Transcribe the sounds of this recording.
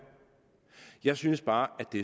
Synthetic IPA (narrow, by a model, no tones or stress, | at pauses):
jɑ̈ɪsynəsb̥ɑ̈ːʔæd̥e̝